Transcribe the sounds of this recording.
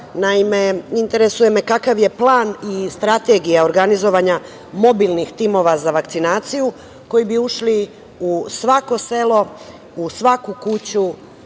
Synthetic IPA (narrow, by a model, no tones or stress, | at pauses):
naimeint̪e̞ɾesuje̞me̞kakaʋje̞plˠaːnist̪ɾat̪e̞ɡijao̞ɾɡanizo̞ʋaɲa | mo̞bilnixt̪imo̞ʋazaʋakt̪sinaːt̪siju | ko̞jibiuʃli | usʋako̞se̞lo̞ | usʋakukut͡ɕu